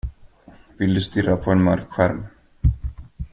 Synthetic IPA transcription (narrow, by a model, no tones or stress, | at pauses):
vɪld̪ɵst̪ʏɾapʰɔɛnmœɾkɧæɾm